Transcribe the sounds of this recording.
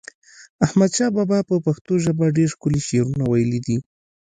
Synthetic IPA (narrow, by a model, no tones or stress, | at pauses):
ahmad̪ʃɑbɑbɑpəpaxt̪oʒəbaɖeɾxkʊliʃeɾunawajəlid̪i